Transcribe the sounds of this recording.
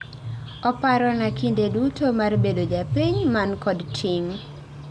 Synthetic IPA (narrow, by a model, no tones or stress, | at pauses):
ɔpaɾɔnakindedutomarbedod͡ʒapiɲmankɔdtʰiŋ